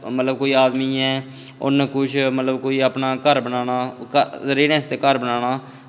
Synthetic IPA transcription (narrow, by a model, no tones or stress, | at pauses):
mət̪ləb̚koːiːaːd̪miːɛ̃ː | ʊ̰nkʊʃʰmət̪ləbkoːiːapnaːkəɾbənaːnaːkəzəɾiːɾɛ̃ːst̪eːkəɾbənaːnaː